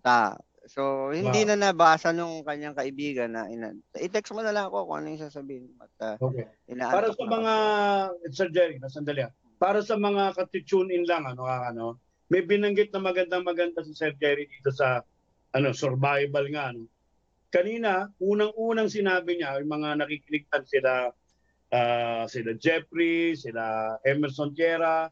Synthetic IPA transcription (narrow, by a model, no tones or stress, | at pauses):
a̰ | sohɪninɐnɐbaːsɐnʊŋkɐɲːaŋkɐʔɪbiːɡɐnɐ̰ʔɪna̰ɐʔɪt̪ɛksmonɐlɐŋɐko̞ɐko̰ʔɐ̰nojŋsaːsɐbiːhɪnkoɐ̰t̪̚ɐokɛʔɪna̰ːʔpaːɾɐsɐmɐŋa | sɛɾd͡ʒɛɾɪnɐs̬ɐnd̪ɐlɪa | paːɾɐsɐmɐŋakɐt̪ɪt͡ʃʊnɪnlɐŋɐno̞kakɐno | mɐjbɪnɐŋɡɪt̪̚nɐmɐɡɐnd̪aŋmɐɡɐnd̪as̬ɪsɛɾd͡ʒɛɾɪd̪iːt̪o̞sɐ | ʔɐno̞soɾbaːjbɐlŋaɐno̞ | kɐniːnɐʔuːnɐŋuːnɐŋsɪnaːbɪɲajmɐŋanɐkikɪnɪɡ̚t̪ɐnsɪla | ʔaːsɪlad͡ʒɛfɾisɪlaʔɛmɛɾsont̪ɛːɾɐ